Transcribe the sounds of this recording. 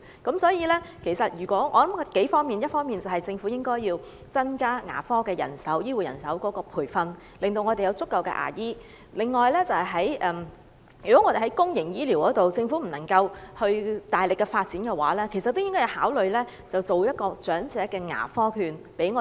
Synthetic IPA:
kɐ˨˥msɔː˨˥jiː˧lɛː˥kʰe˨˩jsɐ˨t̚jyː˨˩kʷɔː˨˥ŋɔː˨˧lɐ˨˦m˨ke˨˥jfɔː˥ŋmiː˨njɐ˥t̚fɔː˥ŋmiː˨˩nt͡sɐ˨˩wɦɐ˨jt͡sɪ˧ŋfuː˨˥jɪ˥ŋkɔː˥jiː˧w | t͡sɐ˥nkaː˥ŋa̰ː˨˩fɔː˥kɛː˧jɐ̰˨˩nsɐ˨˥wjiː˥wuː˨˩jɐ̰˨˩nsɐ˨˥wkɔː˨˥kɔː˧pʰuː˨˩jfɐ˧n | lɪ˨ŋt̪o˧wŋɔ˨˧t̪e˨jɐ˧wt͡sʊ˥kːɐ˨wkɛ̰˧ʔa̰ː˨˩jiː˥ | lɪ˨˩ŋːɔː˨jlɛː˥t͡sɐ˨whɐ˨jɦɐ˨˥jʔɛː˨˩m | jy˨kɔ˨˥ŋɔː˨˧e˨ɦɐ˨˥jkʊ˥ŋjɪ˨˩ŋjiː˥li˨˩wkɔː˨˥t̪o˨wt͡sɪ˧ŋfuː˨˥m̩˨˩nɐ˨˩ŋkɐ˧whɵ˧ɥt̪aː˨jlɪ˨˩kːɛ˧faː˧t̚t͡si˨˥nkɛ˧wa̰ː˨˥lɛː˥kʰe˨˩sɐ˨t̚t̪ːo˥jɪ˥ŋkɔː˥jɐ˨˧whaː˨˥wlɵ˨ɥlɛː˥ | t͡sɐ˨wt͡so˨wjɐ˥t̚kɔː˧t͡sœː˨˥ŋt͡sɛː˨˥kɛː˧ŋa̰ː˨˩fɔː˥kʰyː˧npe˨˥jŋɔː˨˧

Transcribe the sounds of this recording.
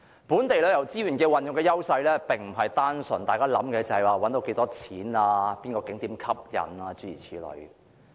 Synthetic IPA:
puː˨˥nt̪e˨jlɛ˥jɐ˨˩wt͡siː˥jyː˨˩nkɛː˧wɐ˨njʊ˨ŋkɛː˧jɐ˥wsɐ˧jlɛː˥pɪ˨ŋm̩˨˩ɦɐ˨jt̪aː˥nsɵ̰˨˩nt̪aː˨jkaː˥lɐ̰˨˥mkɛː˧t͡sɐ˨hɐ˨jwaː˨˩wɐ˨˥nt̪o˧˥wke˧jt̪ɔː˥t͡sʰiː˨˥naː˧piː˥nkɔː˧kɪ˨˥ŋt̪iː˨˥mkʰɐ˥p̚jɐ̰˨˩naː˧t͡syː˥˩ḭː˨˩t͡sʰiː˨˥lɔ̰˨˧˩ɥ

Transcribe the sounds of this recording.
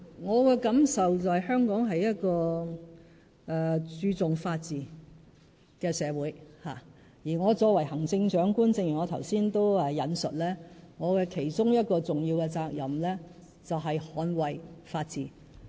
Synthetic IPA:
ŋɔː˨˧kɛː˧kɐ˨˥msɐ˨wt͡swhɐ˨jhœː˥ŋkɔː˨˥ŋɦɐ˨jjɐ˥t̚kɔː˧ | ʔɛ˨˧t͡ʃyː˧t͡sʊ˨ŋfaː˧t̚t͡siː˨˩ | kɛː˧sɛː˨˧wuː˨˥jha̰ː˨˩ | jiː˨˩ŋɔː˨˧t͡ʃɔː˧k̚wɐ˨˩jɦɐ˨˩ŋt͡sɪ˧ŋt͡ʃœː˨˥ŋkuː˥nt͡sɪ˧ŋjyː˨˩ŋɔː˨˧t̪ʰɐ˨˩wsiː˥nt̪o˥wɛː˨˧jɐ˨˧nsɵ˨t̚lɛː˥ŋɔː˨˧kɛː˧kʰe˨˩jt͡sʊ˥ŋjɐ˥t̚kɔː˧t͡sʊ˨˩ŋjiː˧wkɛː˧t͡saː˧k̚jɐ˨mlɛː˥ | t͡sɐ˨wɦɐ˨jhɔː˨˧˥nwɐ˨jfaː˧t̚t͡siː˨

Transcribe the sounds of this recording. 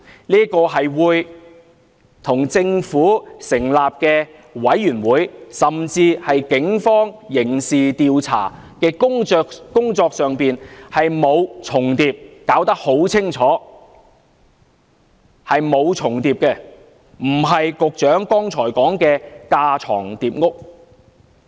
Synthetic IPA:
niː˥kɔː˧ɦɐ˨jwuː˨˧j | t̪ʰʊ˨˩ŋt͡sɪ˧ŋfuː˨˥sɪ˨˩ŋlaː˨p̚kɛː˧ | wɐ˨˥jːyː˨˩nwuː˨˥jsɐ˨mt͡siː˧hɐ˨jkɪ˨˥ŋfɔː˥ŋjɪ˨˩ŋsiː˨t̪iː˨wt͡sʰa̰ː˨˩ | kɛ˧ʊ˥ŋː˧k̚kʊ˥ŋt͡sɔː˧k̚sœː˨ŋpiː˨nhɐ˨jmo˨˧wt͡sʰʊ˨˩ŋt̪iː˧p̚kaː˨˥wt̪ɐ˥k̚ho˨˥wt͡sʰɪ˥ŋt͡sʰɔː˨˥ | hɐ˨jmo˨˧wt͡sʰʊ˨˩ŋt̪iː˨p̚kɛː˧ | m̩˨˩ɦɐ˨jkʊ˨k̚t͡ʃœː˨˥ŋkɔː˥ŋt͡sʰɔː˨˩jkɔː˨˥ŋkɛː˧kaː˧t͡sʰɔ̰ː˨˩ŋt̪iː˨p̚ŋʊ˥k̚

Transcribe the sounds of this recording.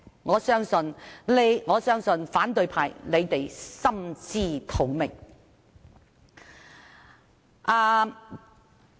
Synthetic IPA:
ŋɔː˨˧sœː˥ŋsɵ˨nle˨˧jŋɔː˨˧sœː˥ŋsɵ˨nfaː˨˥nt̪ɵ˨˧ɥpʰaː˨jle˨˧jt̪e˨jsɐ˥mt͡siː˥t̪ʰo˨˩wmɪ˨˩ŋ | ʔaː˧

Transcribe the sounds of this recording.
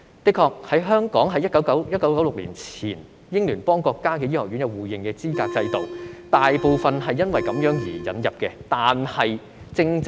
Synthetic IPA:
t̪ɪ˥kʰɔː˧k̚hɐ˨˥jɦœː˥ŋkɔː˨˥ŋɦɐ˨˥jɐ˥t̚kːɐ˨˥wkɐ˨˥wjɐ˥t̚kɐ˨˥wkɐ˨˥wlʊ˨k̚lḭː˨˩nt͡sʰḭː˨˩n | jɪ˥ŋlyː˨˩npɔː˥ŋkɔː˧kːaː˥kɛː˧jiː˥˩hɔː˨˩ɥy˨˥njɐ˨˧wuː˨˩jɪ˨ŋkɛː˧t͡siː˥kaː˧k̚t͡sɐ˧jt̪o˨wt̪aː˨jpo˨wfɐ˨nɦɐ˨jːɐ˥nwɐ˨jkɐ˨˥mjœː˨˥ŋjiː˨˩jɐ̰˨˥njɐ˨p̚kɛ˧t̪aː˨nhɐ˨j | t͡sɪ˧ŋt͡s

